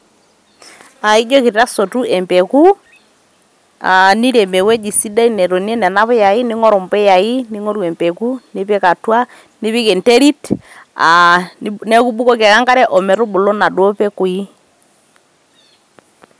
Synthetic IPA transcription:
a˨i˦d͡ʒɔ˦ki˨ɾiɾa˦so˨tu˦ɛ˨mpɛ˨ku˦ | a˨ni˦ɾɛ˨mɛ˨wɛ˦d͡ʒi˨si˦da˦i˦nɛ˨ɾo˨ni˦ɛ˦nɛ˨na˦βɛ˦ja˨i˦nɪ˦ŋɔ˦ɾɔ˨mpɛ˦ja˨i˦ni˦ŋɔ˦ɾu˦ɛ˨mpɛ˨ku˦ni˦pɛ˦ka˨twa˦ | ni˦βi˦kɛ˨ntɛ˦ɾi˦ta˨nɛ˦ku˦bu˦kɔ˦kɛ˨ɣa˦ŋɡa˦ɾɛ˦ʔɔ˨mɛ˨ɾu˦bu˨lɔ˦na˨dwɔ˦pɛ˦ku˨i˦

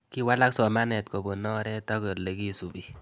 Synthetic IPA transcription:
ki˦wa˦la˦ksɔ˨ma˦nɛ˨tko˨bo˨nɔ˦ɾɛ˦tɔ˦ke˨le˨ki˦su˨bi˨

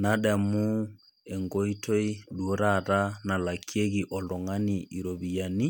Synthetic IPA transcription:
na˨˦ɗa˨mu˦ | ɛ˨ŋɡo˦i˦to˦i˦ɗu˨o˦ɾa˦˨ɾa˦na˨la˨kʰi˦e˦ɣi˨ʔɔ˨lɔ˨ŋa˦ni˨ʔi˨ɾo˨βi˨ja˨ni˦

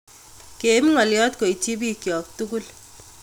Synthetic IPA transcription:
ke˨˦mŋɔ˨ljɔ˦t̚ko˨it͡ʃi˦b̬i˦kjɔ˨k̚tu˦ku˦l

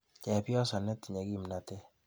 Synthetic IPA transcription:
t͡ʃɛ˨pjɔ˦sa˨nɛ˦ti˨ɲɛ˨ki˦˨m˨na˨tɛ˦

